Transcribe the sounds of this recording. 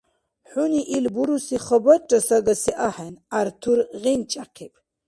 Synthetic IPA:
ħuniʔilbuɾusiχəbaʈ͡ʂʼɐsaɡɐsiʔaħɛnaɾt̪ʰuɾʁint͡ʃʼaqʰipʰ

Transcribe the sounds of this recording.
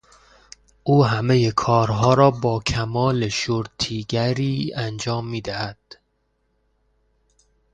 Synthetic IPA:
ʔuːɦæme̞jekʰɒːɾɦɒːɾɒːbɒːkʰæmɒːleʃoɾt̪ʰiːɡæɾiːænd͡ʒɒːmːiːd̪æhæd̪̥

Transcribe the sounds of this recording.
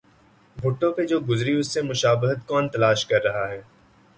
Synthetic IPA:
bʱʊʈːõped͡ʒoːɡʊzɾiʊsːemʊʃaːbɪɦət̪kɔːnt̪ɐlaːʃkɐɾːɐɦaɦɛː

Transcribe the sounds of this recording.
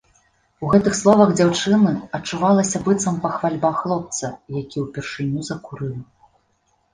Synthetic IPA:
uɣɛt̪ɨxslˠɔvɐɣd͡zʲawt͡ʂɨnɨɐt͡ʂːuvalˠɐsʲɐbɨt̪sɐmpɐxvalʲbaxlˠɔp̚t̪sɐjakʲiwpʲɛrʂɨnʲuzɐkuɾɨwʲi

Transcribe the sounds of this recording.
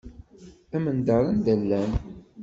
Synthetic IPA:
æmənd̪ɑɾˤand̪ælːæn

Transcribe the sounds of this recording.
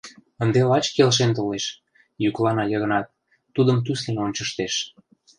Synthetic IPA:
ənd̪elɑt͡ɕkelʃ̬ent̪̬oleʃ | jyklɑnɑjə̆ɣə̆nɑt̪̚ː | ud̪əmt̪yslenonʲt͡ɕəʃt̪eʃ

